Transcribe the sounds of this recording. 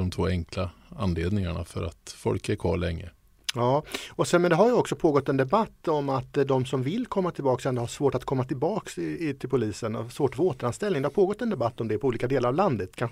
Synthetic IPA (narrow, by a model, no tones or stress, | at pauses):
ɔmt̪ʰvoːɛŋkla | anleːd̪nɪŋaɳa̰fœ̰ɾa̰t̪fɔ̰lkɛɾkʰvɑ̰ːɭɛŋːə | jɑːɔsɛnmɛnd̪ɛɦaɾjəɔksɔpʰoːɡɔt̪ːɛnd̪ɛbat̪ːɔmːat̪d̪ɔmsɔmvɪlːkʰɔmːat̪ʰɪlbɑːksɛnd̪haʂvoːʈat̪̚kʰɔmːat̪ʰɪlbɑːkst̪ʰɪlpʰʊliːsənɔ̰svoːʈfoːt̪əɾanst̪ɛlnɪŋd̪ɛhaɾpʰoːɡɔt̪ːɛnd̪ɛbat̪ːɔmd̪ɛpʰɔuːliːkad̪eːlaɾavland̪ət̪kʰan